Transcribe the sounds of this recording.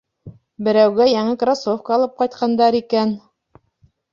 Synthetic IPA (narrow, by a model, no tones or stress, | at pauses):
bɘ̆ɾæwɡæjæŋɘkrasofkəɑlˠɤp̚qɑjt̪̚qɑnd̪ɑɾikæn